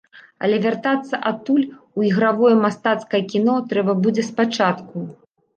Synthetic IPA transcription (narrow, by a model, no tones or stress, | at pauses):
ɐ̰lʲɛvʲart̪at̪sːɐʔat̪ːulʲuiɣɾavɔjɐmast̪at̪skɐjɐkʲinɔt̪ɾɛbɐbud͡zʲɛspat͡ʂat̪ku